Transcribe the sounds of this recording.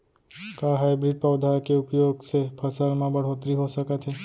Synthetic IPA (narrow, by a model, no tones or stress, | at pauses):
kaɦajbɾiɖ̚pawd̪ʱakeupjoɡt͡ʃʰepʰəsalmãbəɽ̤ɦot̪ɾiɦoʃəkat͡ʃʰe